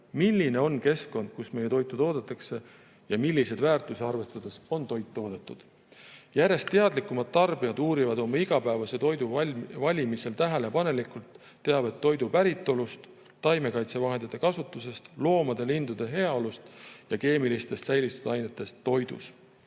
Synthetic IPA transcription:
milːine̞o̞nke̞sko̞nd̪̥̚kusme̞je̞t̪o̞jt̪ːˑut̪o̞ːd̪̥et̪ːˑɑkse̞ | jɑmilʲːise̞d̪væːrt̪ˑuseɑrve̞st̪ɑd̪̥e̞so̞nt̪o̞jt̪ːo̞ːd̪̥et̪ˑːud̪̥ | jæɾe̞st̪ːe̞ɑd̪likːˑumɑd̪̥̚t̪ɑrbiɑd̪uːɾivɑd̪o̞mɑiɡ̥ɑpæevɑse̞t̪o̞jd̪uvɑlʲimise̞lt̪æɦele̞pɑne̞likˑult̪ː | e̞ɑb̥e̞t̪ːo̞jd̪upæɾit̪ːˑo̞lust̪ː | ɑjme̞kɑjt̪se̞vɑɦe̞nd̪it̪ːˑe̞kɑsut̪ːˑuse̞st̪lo̞ːmɑd̪̥e̞lind̪ud̪̥e̞ɦe̞ɑolust̪jɑke̞ːmilist̪e̞st̪sæjlit̪ːˑud̪̥ɑjne̞t̪ːˑe̞st̪ːo̞jd̪̥ṵs

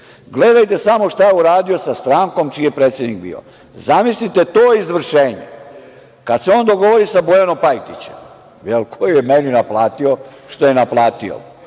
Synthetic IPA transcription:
ɡled̪ajt̪e̞samo̞ʃt̪ajeuɾaːd̪io̞sast̪ɾaːŋko̞mt͡ʃijepɾet̪sje̞d̪nik̚bḭːo̰ | zamislit̪e̞t̪oːizʋr̩ʃeːɲḛ | kad̪seo̞ːnd̪o̞ɡo̞ʋoɾisabojanompajt̪it͡ɕḛm | jelkʰojjemeninaplˠaːt̪ioʃt̪o̞jenaplaːt̪io̰

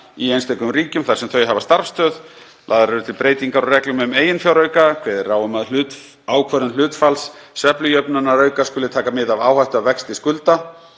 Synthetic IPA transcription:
iejnst̪ejkʏmriːcʏmθaɾ̥sɛmθœɥɦavast̪aɾ̥fst̪ʰœːð | lʔaːðaɾɛɾʏt̪ʰɪlpɾeːjt̪iŋkaɾɔrɛklʏmmeːjɪnfjawɾœːɥkakʰvɛːðɪraːwʏmaðlʏːt̪ | aːwkʰvœɾʏnl̥ʏːt̪falsːɛplʏjœpnanːaɾœːɥkaskʏlɪt̪ʰaːkamɪðavaːwhajht̪ʏavɛkst̪ɪskʏlt̪a

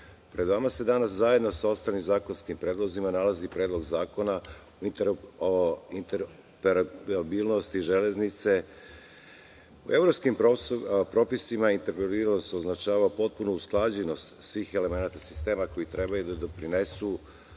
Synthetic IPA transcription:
pɾe̞d̪ʋamase̞d̪anaszaje̞d̪no̞sao̞st̪aːlimzaːko̞nskimpɾe̞ːd̪lˠo̞zimanalazipɾeːd̪lˠo̞ɡzaːko̞na | int̪e | int̪eɾ | peɾaabilˠnost̪iʒe̞le̞znit̪se̞ | ue̞vɾo̞pskimpɾo̞pisimaint̪eɾpebilnost̪o̞znat͡ʃaːʋapo̞t̪̚punuːsklˠad͡ʑeno̞st̪sʋiːxe̞le̞me̞naːt̪asist̪e̞ːmako̞jit̪ɾe̞bajud̪ad̪o̞pɾine̞su

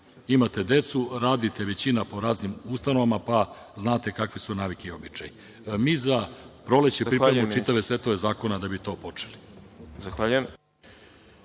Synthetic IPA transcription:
imat̪e̞d̪e̞t̪suɾaːd̪it̪e̞ʋe̞t͡ɕinapo̞ɾaːznimust̪ano̞ʋamapa | znaːt̪e̞kakʋisunaːʋikeiobit͡ʃa̰ji | miːzapɾo̞let͡ɕeppɾiɾemuit̪aʋe̞sʋet̪oʋe̞zaːko̞nad̪abit̪o̞ːpo̞t͡ʂelizaxʋaʎue

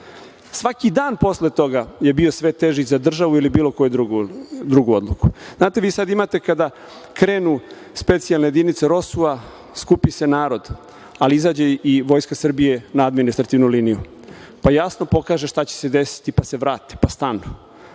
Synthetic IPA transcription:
sʋakid̪aːnpo̞slet̪o̞ɡaje̞bio̞sʋet̪eʒizad̪r̩ʒaʋuilibiːlo̞ko̞jud̪ɾuɡd̪ɾuɡuo̞d̪lˠuku̥znaːt̪e̞ʋiːsad̪imat̪e̞kad̪a | kɾeːnu | spe̞t̪sijalnejed̪init̪seɾo̞sua | skupise̞naːɾo̞d̪ | aliizaːd͡ʑeiʋo̞jskasr̩bijenaad̪minist̪ɾat̪iːʋnuliniju | pajasno̞po̞kaːʒeʃt̪at͡ɕe̥se̞d̪e̞si̥t̪ipaseʋɾaːt̪e̥past̪aːnno

